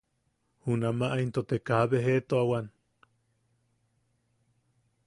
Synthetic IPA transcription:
hunamaʔaint̪ot̪ekaβeɦeʔt̪oawan

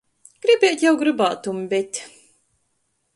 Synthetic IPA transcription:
ɡ̥ɾibʲɛːt̪jawɡɾɨbaːt̪umbʲɛt̪ʲ

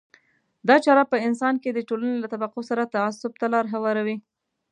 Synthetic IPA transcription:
d̪ɑt͡ʃɑɾapəɪnsɑnked̪əʈolanelat̪abaqosaɾat̪aːsʊb̚t̪alɑɾɦawɑɾawi

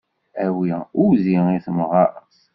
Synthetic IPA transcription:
æwiʊɾziiθəmʁɑəs

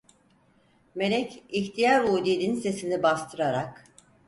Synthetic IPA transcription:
me̞lʲɛciçt̪ʰijaɾuːd̪ed̪inse̞sinibast̪ʰɯɾaɾak

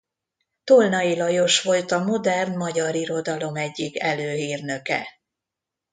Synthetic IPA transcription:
t̪olnɒilɒjo̞ʃʋo̞lt̪ɒmo̞d̪ɛrnmɒɟɒɾiɾo̞d̪ɒlo̞mɛɟːikɛløːɦiːrnø̞kɛ̰

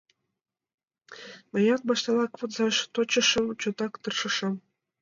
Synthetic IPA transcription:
mɤ̆jɑt̪̚bɑʃt̪ɑlɑkpŏt̪zɑʃt̪ot͡ɕə̆ʃɤ̆mt͡ɕot̪ɑkt̪ɤrʃɤ̆ʃɑ̆m

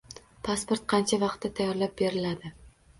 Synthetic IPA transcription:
pʰaspoɾt̪̚qʰɑnt͡ʃʰavɑqt̪ːat̪ʰajɒɾlap̚be̞ɾɪlad̪ɪ

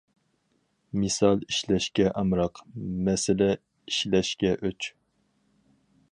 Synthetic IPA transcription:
mɨsɑlˠiʃlɛʃkʲɛʔɑmɾɑqmɛsɪlɛ | iʃlɛʃkʲɛʔøt͡ʃ

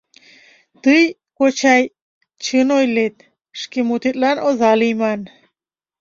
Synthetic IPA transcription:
t̪ɨj | kot͡ɕaj | t͡ɕʰɨnojlet̪̚ | ʃkimut̪it̪ʼlanʔozaliman

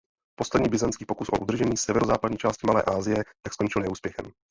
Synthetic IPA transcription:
po̞slɛdɲiːbɪzant͡skiːpokusʔo̞̰ʔud̪r̩ʒɛɲiːsɛvɛɾozaːpadɲiːt͡ʃaːscɪmalɛ̰ːʔaːzɪjɛt̪aksko̞nt͡ʃɪlnɛuːspjɛxɛ̰m

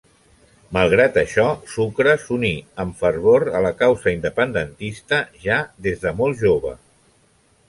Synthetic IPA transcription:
məlˠɣ̞ɾat̪əʃɔsukɾəsuniəmfərβoɾələkawzəind̪əpənd̪ənt̪ist̪əʒaðezðəmɔlˠʒoβə̰

